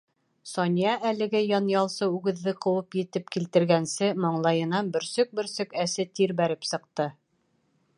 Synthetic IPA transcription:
sɒnʲijɑʔælɘ̆ɡɘjɑnjɑlˠsɤʉɡɘ̆ðːɘqɤ̆wɤpjɘ̆t̪ɘp̚kilt̪ɘ̆ɾɡænsɘmɤɴlˠɑjɤ̆nɑnbɵ̆ɾsɵk̚bɵ̆ɾsɵkæsɘt̪iɾbæɾɘpsɤ̆q̚t̪ɤ

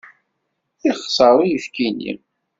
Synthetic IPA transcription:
iχsˤəɾˤijəfkinḭ

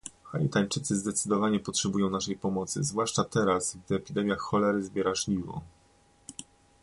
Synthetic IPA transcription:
xalʲḭt̪aɲt͡ʂɘt̪sɘzd̪ɛt̪sɘd̪ɔvaɲɛpɔtʂɛbujɔ̃w̃naʂɛjpɔmɔt̪sɘ̰zvwaʂt͡ʂat̪ɛɾasɡd̪ɛpʲid̪ɛmʲjaxxɔlɛɾzbʲjɛɾaʐlʲivɔ̰

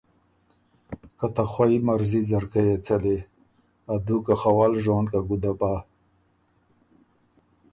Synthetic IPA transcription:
kat̪axwaimaɾzizaɾkajet͡sale | ad̪ukaxawaːlʒonkaɡud̪apa

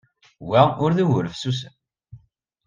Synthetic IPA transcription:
wæʊɾðiwʊɾəfsus̬ən

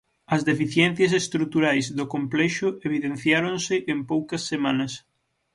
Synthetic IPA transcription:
ɐzðefiθjɛn̟θjɐs̬est̪ɾut̪uɾajzðokomplɛʃʊeβiðen̟θjaɾonsɪʔempowkɐsːemanɐs

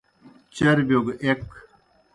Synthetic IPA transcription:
t͡ɕɐɾbjoːɡʔek

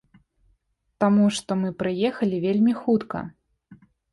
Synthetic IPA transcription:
t̪amuʂt̪ɔmɨpɾɨjɛxɐlʲivʲelʲmʲixut̪kɐ̰

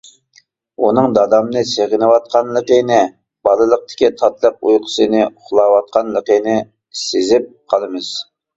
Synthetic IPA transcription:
unɨŋd̪ɑd̪ɑmnɨseʁɪnɨwɑt̪̚qʰɑnləqənɪ | b̥ɑlˠɨlˠəq̚t̪ʰɪ̥kʲit̪ʰɑt̪lˠəq̚ujqʰə̥sɨnɨʊχlˠɑwɑt̪̚qʰɑnləqənɪ | sezɪp̚qʰɑlˠɨmɨz̥

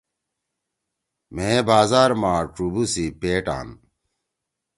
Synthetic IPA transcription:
mẽːbaːzaːɾmaːʈ͡ʂubusipeːʈa̰ːn

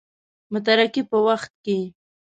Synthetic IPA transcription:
mʊt̪̬aɾakipəwaxt̪̚ke

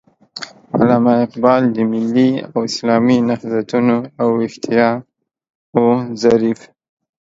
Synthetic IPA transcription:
a̰lamaɪqbɑld̪əmɪlːia̰wɪslɑminahzat̪unoawɪxt̪ʰijɑ | ozaɾif

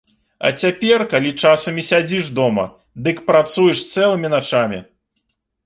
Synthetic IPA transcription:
ɐ̰t͡sʲapʲɛrkalʲit͡ʂasɐmʲisʲad͡zʲiʂd̪ɔmɐ̰ | d̪ɨkpɾat̪sujɛʂst̪sɛlˠɨmʲinat͡ʂamʲḭ

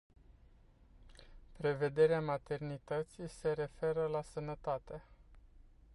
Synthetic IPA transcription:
pɾe̞ve̞d̪e̞ɾeamat̪e̞rnit̪ət̪sise̞ɾe̞fe̞ɾəlasənət̪at̪e

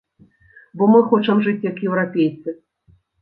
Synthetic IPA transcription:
bɔmɨxɔt͡ʂɐmʐɨt͡sʲjɐkjɛwɾapʲejt̪sɨ

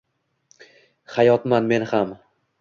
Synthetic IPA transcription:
χajɒt̪manme̞nham

